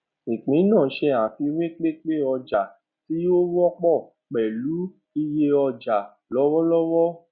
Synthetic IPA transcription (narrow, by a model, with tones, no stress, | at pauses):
ĩ˨k͡pĩ˨˦nã˦˨˦ʃɛ˧a˨fi˧wĩ˦k͡pe˦˨k͡pe˦˨ɔ˧d͡ʒa˨ | ti˨˦jo˦wɔ˦k͡pɔ˦˨ | k͡pɛ˨lu˨˦ | i˧je˧ɔ˧d͡ʒa˨ | lɔ˨˦wɔ˦lɔ˦wɔ˦